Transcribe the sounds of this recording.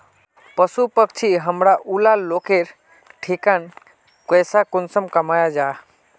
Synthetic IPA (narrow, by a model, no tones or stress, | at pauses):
pəsupəkt͡ʃʰiɦəmɾaʔulalokeɾ | ʈʰikan | kəjsakonsəmkəmajad͡ʒa